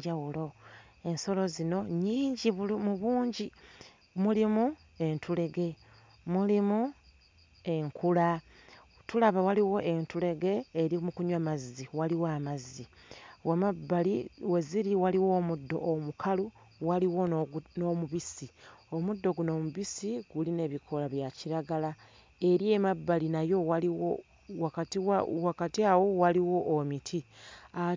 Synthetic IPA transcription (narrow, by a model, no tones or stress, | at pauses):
awulo̞ | e̞nso̞lo̞zino̞ɲiːɲɟiβmuβuːɲɟi | mulimu | e̞ntʰule̞ɡe̞ | mulimu | e̞ŋkʰula | tulaβawaliwo̞ʔe̞ntule̞ɡe̞ːɾimukuɲwamazːiwaliwamaziwabaliweziɾiwaliwo̞ːmudːo̞̰ʔomukʰalu | waliwo̞nomuβisio̞mud̪ːo̞ɡuno̞muβisiɡuline̞ːβikʰo̞laβjaciɾaɡala | e̞ɾie̞mabːalinajo̞waiwo | wakatiwakatiawowaliwo̞ʔːmitʰia